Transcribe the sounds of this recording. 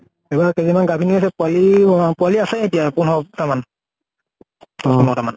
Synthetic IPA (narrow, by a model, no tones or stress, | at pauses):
ɛbakezimanɡabʱinias̬ɛpʊalipʊaliasɛetijapunɦɔtaman | ɔsimɔtaman